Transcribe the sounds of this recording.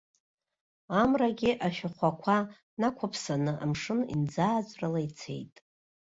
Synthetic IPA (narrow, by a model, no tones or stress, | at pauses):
amraɡʲɪʔaʃᶣaχʷakʷʰa | nakʷʰapʰsanɨʔa̰mʂɨnḭnd͡zaːt͡sʷʼralajt͡sʰe̞̰jtʼ